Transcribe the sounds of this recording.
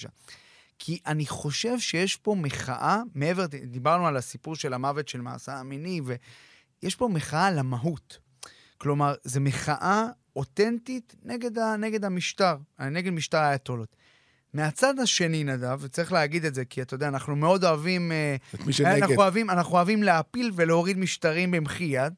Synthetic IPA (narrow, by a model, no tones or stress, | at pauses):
a̰ | kʰiʔaniχoʃe̞vʃe̞jeʃpo̞meχa̰ʔameeveʁd̪ibaʁnualasipuʁʃe̞lamavet̪ʃe̞lma̰ːseaminive̞ | jeʃpo̞meχaʔalamaɦut̪ | klo̞maʁze̞me̞χaʔa | o̞t̪e̞nt̪it | neɡe̞d̪aneɡed̪hamiʃtaʁneɡedmiʃtaʁajat̪olot̪ | me̞at͡sad̪aʃe̞ninadavet͡saʁiχleaɡid̪etze̞kiat̪ajodeaːnaχnumeo̞d̪o̞avimtiʃnaavimanaχnuoavimleapilve̞leo̞ʁid̪miʃtaʁimbemχijad̪